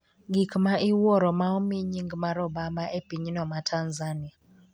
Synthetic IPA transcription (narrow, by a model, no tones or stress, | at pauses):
ɡikmaʔɪwɔɾɔmaɔmiɲiŋɡmaɾɔbamaʔepiɲnɔmatʰanzanɪa